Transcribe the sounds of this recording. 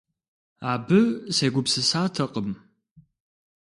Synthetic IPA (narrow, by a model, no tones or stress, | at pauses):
aːbɨseːɡʷʊpsɨsaːtʰɐqʼəm